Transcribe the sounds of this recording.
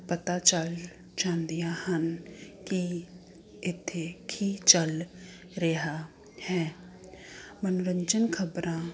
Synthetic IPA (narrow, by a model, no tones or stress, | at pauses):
pət̪at͡ʃəl | t͡ʃãːnd̪ɪjahənki | ɪt̪ʰːekʰit͡ʃəl | ɾeɦa | hɛː | mənʊɾə̃ɲd͡ʒənkʰəbɾãː